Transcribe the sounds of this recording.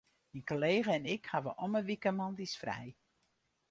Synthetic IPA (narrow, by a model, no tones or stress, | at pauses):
minkoleːɣəɛnɪkhaʋəʔɔməʋikəmɔndisfrɛ̰j